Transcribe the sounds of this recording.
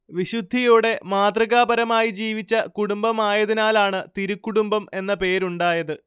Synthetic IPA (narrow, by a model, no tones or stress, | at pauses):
ʋiɕud̪ʱːijuːɽe̞maːd̪rɐɣaːbɐɾɐmaːjid͡ʑiːʋit͡ɕːɐkuɽumbɐmaːjɐðinaːlaːɳɨt̪iɾukːuɽumbɐme̞nːɐpe̞ːɾuɳɖaːjɐðɨ